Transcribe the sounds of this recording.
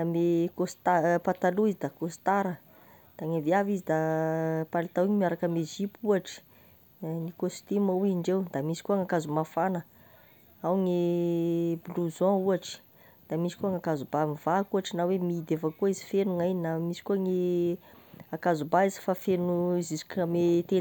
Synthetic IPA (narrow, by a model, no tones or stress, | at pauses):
amekost̪apat̪aluizid̪akost̪aɾə | d̪̥aŋeviavizid̪apalit̪awiɲimiaɾakamezipuaʈ͡ʂi̥ | nikost̪imauiɳɖ͡ʐewd̪amisi̥kuaŋakazumafanə | awŋe | bluzɔ̃uaʈ͡ʂi̥ | d̪̥amisi̥kuaŋakazubamiv̥akuaʈ͡ʂinawemid̪efəkuəizifenuŋaininamisi̥kuaŋe | akazubaizi̥fafenuizizi̥kamet̪en